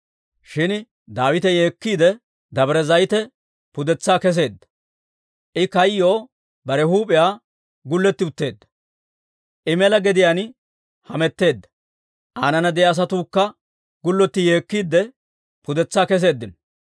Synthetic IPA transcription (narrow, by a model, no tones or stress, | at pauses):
ʃɪn | d̪aːwɪt̪ɛje̞ːkːiːd̪ɛ | d̪ɐbɾɛzɐjt̪ɛ | pʊd̪ɛt͡sːaːkɛs̬e̞ːd̪ːɐ̥ | ʔɪkɐjːo̞ː | bɐɾɛhuːpʼɪjaː | ɡʊlːɛt̪ːɪʊt̪ːe̞ːd̪ːɐ̥ | ʔɪmɛlɐɡɛd̪ɪjaːn | hɐmɛt̪ːe̞ːd̪ːɐ̥ | ʔaːnɐnɐd̪ɛjaːs̬ɐt̪uːkːɐ | ɡʊlːɔt̪ːɪje̞ːkːiːd̪ːɛ | pʊd̪ɛt͡sːaːkɛs̬e̞ːd̪ːɪn